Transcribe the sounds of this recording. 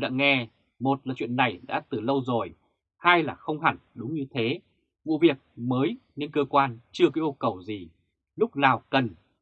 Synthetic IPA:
ɗa̰ː˧˥ŋɛ˧ | mo˨˩t̚laː˨˩t͡ɕwḭ˧˨nːa˨˩jɗa̰ː˧˥t̪ɨ˨˩lə˧wzo˨˩j | haː˧jlaː˨˩xə˧wŋ͡mha˧˩ŋɗʊ˨˦ŋ͡mɲɨ˧t̪ʰe˨˦ | vṵ˧˨vi˨˩ək̚məː˨˦jne˧nkəː˧kwaː˧nt͡ɕɨ˧əkaː˨˦ʔu˧kə˨˩wzi˨˩ | lʊ˦˥k͡p̚naː˨˩wkə˨˩n

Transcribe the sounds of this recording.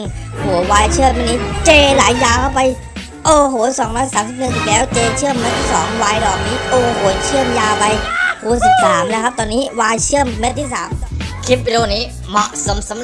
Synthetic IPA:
ŋhu˨˩˦əwaː˧jt͡ɕʰɯ˥˩əmːa˧˥nːiː˦˥t͡ɕeː˧laː˩˦jːaː˧kʰa˥˩wpa˧j | ʔoː˧ɦoː˩˦sɔː˩˦ŋɾɔː˦˥jsaː˩˦msi˨˩p̚nɯ˨˩ŋsi˨˩lɛː˦˥wt͡ɕeː˧t͡ɕʰɯ˥˩əmːe˦˥t̪ʰi˥˩ɔː˩˦ŋwaː˧jɾɔː˨˩k̚niː˦˥ʔoː˧ɦoː˩˦t͡ɕʰɯ˥˩əmjaː˧pa˧jhʰuː˨˩si˨˩p̚saː˩˦mlɛː˦˥kʰa˦˥p̚t̪ɔː˧nːiː˦˥waː˧jt͡ɕʰɯ˥˩əmːe˦˥t̪ʰiː˥˩sa̰ː˩˦mkʰi˦˥p̚ːi˧ɾu˧˩niː˦˥ | mɔ˨˧˩ʔso˩˦mso˩˦m

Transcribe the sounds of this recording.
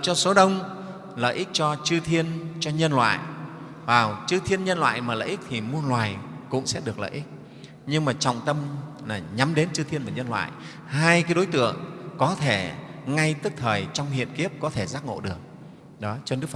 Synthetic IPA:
t͡ɕɔ˧so˨˦ɗə˧wŋ͡m | lə̰ː˧˨jʔi˦˥k̚t͡ɕɔ˧t͡ɕɨ˧t̪ʰi˧ənt͡ɕɔ˧ɲə˧nlwa̰ː˧˨j | vaː˨˩wt͡ɕɨ˧t̪ʰi˧ənɲə˧nlwa̰ː˧˨jmaː˨˩lə̰ː˧˨ʔi˦˥k̚t̪ʰi˨˩mu˧ənlwaː˨˩jkʊ̰˧˥ŋ͡msɛ̰˧˥ɗɨ˨˩ək̚lə̰ː˧˨ʔi˦˥k̚ | ɲɨ˧ŋmaː˨˩t͡ɕɔ̰˧˨wŋ͡mt̪ə˧m | naː˨˩ɲa˨˦mɗe˨˦nt͡ɕɨ˧t̪ʰi˧ənvaː˨˩ɲə˧nlwa̰ː˧˨j | haː˧jkaː˨˦jɗo˨˦jt̪ɨ̰˧˨əŋkɔ˨˦t̪ʰe˧˩ŋa˧jt̪ɨ˦˥k̚t̪ʰəː˨˩jt͡ɕɔ˧wŋ͡mhḭ˧˨ənki˦˥əp̚kɔ˨˦t̪ʰe˧˩zaː˦˥k̚ŋo̰˧˨ɗɨ˨˩ək̚ | ɗɔ˨˦t͡ɕɔ˧nɨ˦˥kf

